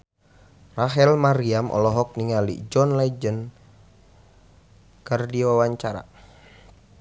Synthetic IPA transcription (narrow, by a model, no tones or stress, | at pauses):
raɦɛlmaɾiamʔɔ̰lɔɦɔk̚niŋalḭd͡ʒɔnlad͡ʒən | kərdiwawaɲt͡ʃaɾa̰